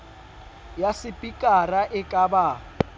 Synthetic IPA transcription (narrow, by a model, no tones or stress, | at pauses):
jasɪpʼikʼaraʔɪkʼaba